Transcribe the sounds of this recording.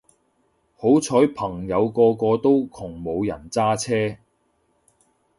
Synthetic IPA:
ho˨˥wt͡sʰɔː˨˥jpʰɐ˨˩ŋjɐ˨˧wkɔː˧kɔː˧t̪o˥wkʰʊ˨˩ŋmo˨˧wjɐ̰˨˩nt͡saː˥t͡sʰɛː˥

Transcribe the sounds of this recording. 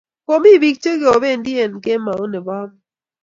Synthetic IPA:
ko˨mi˦˨bi˨k̚t͡ʃe˦ɡe˨ɔ˨be˦˨ndi˦e˨nke˦ma˨o˦nɛ˨ba˦m

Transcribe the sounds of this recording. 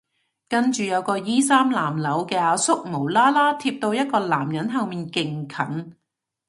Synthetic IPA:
kɐ˥nt͡ʃyː˨˧jɐ˨˧wkɔː˧jiː˥saː˥mlaː˨˩mlɐ˨˥wkɛː˧aː˧sʊ˥k̚mo˨˩wlaː˥laː˥t̪ʰiː˧p̚t̪o˧wjɐ˥t̚kɔː˧laː˨˩mjɐ˨˥nɦɐ˨˧wmiː˨nkɪ˨ŋkʰɐ˨˥ŋ

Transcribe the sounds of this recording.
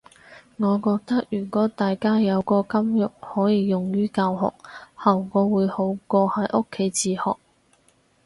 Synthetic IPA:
ŋɔː˨˧kɔː˧k̚t̪ɐ˥k̚jyː˨˩kɔː˨˥t̪aː˨jkaː˥jɐ˨˧wkɔː˧kɐ˥mjʊ˨k̚hɔː˨˥jiː˨˧jʊ˨ŋjyː˥kaː˧wɦɔ̰ː˨˩k̚hɐ˨˩wkɔː˨˧wuː˨˧jho˨˥wkɔː˧hɐ˨˥jʔʊ˥kʰːe˨˥jt͡siː˧˩hɔ̰ː˨k̚

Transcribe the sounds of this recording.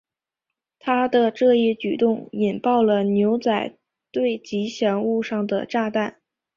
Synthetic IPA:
t̪ʰa˥d̪ə˨ʈ͡ʂɤ˥˧i˥˩t͡ɕy˨˩t̪ʊ˥˩ŋi˨˩npɑ˥˩ʊlə˩njo˧˥ʊt͡sa˨˩ɪ | t̪we˥˩ɪt͡ɕi˧˥ɕjɛ˧˥ŋu˥˧ʂɑ˥˩ŋd̪ə̰˩ʈ͡ʂa˥˧t̪a˥˩n

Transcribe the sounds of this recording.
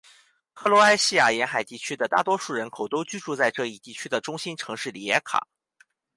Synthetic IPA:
xɤ˧˥lwɔ˧˥a˥ɪɕi˥˩ja˨˩jɛ˧˥nxa˨˩ɪt̪i˥˩t͡ɕʰy˥d̪ə˨t̪a̰˥˩t̪wɔ˥ʂu˥˩ɻə˧˥nkʰo˨˩ʊt̪o˥ʊt͡ɕy˥ʈ͡ʂu˥˧t͡sa˥˧ɪʈ͡ʂɤ˥˧i˥˧t̪i˥˩t͡ɕʰy˥d̪ə˨˩ʈ͡ʂʊ˥ŋɕi˥nʈ͡ʂʰɤ˧˥ŋʂɻ̩˥˩li˨˩ɛ˥kʰa̰˨˩˦

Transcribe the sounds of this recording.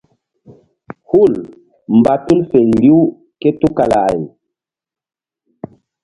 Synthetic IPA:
hu˦˨l | m˨ba˨tu˦lfe˨li˦w | ke˦tu˦ka˨la˨j

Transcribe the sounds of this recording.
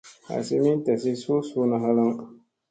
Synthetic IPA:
a̰˨sɪ˦mi˦n˦ta˨s̬i˦so˦so˦na˦ɦa˦la˦ŋ

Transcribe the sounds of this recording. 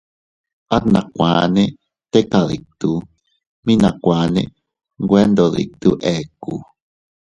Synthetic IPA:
a˦t̪na˨kʷa̰˨ne˦ | t̪e˦kaði˨k̚t̪u | mi˦na˨kʷa˨nḛ˦ | ŋɡwe˦nd̪o˨ðḭ˨k̚t̪uʔɛku

